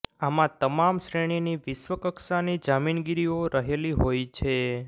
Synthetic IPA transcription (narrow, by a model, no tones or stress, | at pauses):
amãt̪əmamʃɾeɽ̃iniʋɪʃʋəkəksanid͡ʒaminɡiɾioɾəɦeliɦojt͡ʃʰe